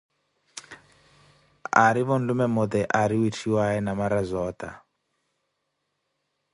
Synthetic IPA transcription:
aɾiβɔn̩lumɛmʊd̪ɛʔaɾiwitʰiwaɛnamaɾazɔːt̪ʼa

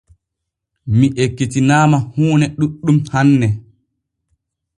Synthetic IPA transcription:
miʔekːitinaːmahuːnɛɗuɗːumhanːɛ

